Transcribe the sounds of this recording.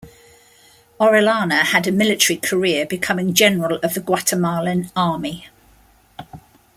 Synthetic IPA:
ɒɹɪlɑːnəədəmɪlɪtəɹikʰəɹɪəbɪkʰʌmɪ̃ŋd͡ʒɛnəɹələvðəɡwatʰəmɑːlɪ̃nɑːmi

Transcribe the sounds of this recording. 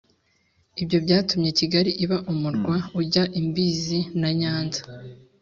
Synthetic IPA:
ibɟo̞bɟaːtumɲeciɡaɾiʔiβaʔumuɾɡwauɟaʔimbiːzinaɲaːnzḁ

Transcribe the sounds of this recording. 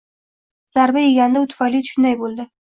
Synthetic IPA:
z̥aɾbajiɡʲand̪aut̪fɑlit̪ʃnajbold̪ə

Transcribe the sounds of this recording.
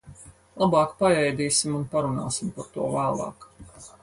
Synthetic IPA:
lˠabɑːkpajɛjd̪iːsimunpaɾuna̰ːsimpaɾt̪uɔvæːlˠɑ̰ːk

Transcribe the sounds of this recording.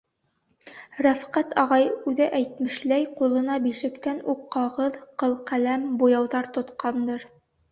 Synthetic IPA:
ɾæfqæt̪ɑʁɑjʉðɘʔæjt̪̚mɘ̆ʃlæjqulˠɤ̆nɑbiʃɘ̆kt̪ænuqːɑʁɤðqɤ̆lˠqælæmbujɑwðɑɾt̪ŏt̪qɑnd̪ɤɾ

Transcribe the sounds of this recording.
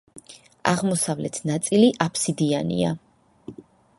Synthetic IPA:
a̰ʁmɔsavlɛt̪ʰnat̪sʼiliʔapʰsid̪ianḭa̰

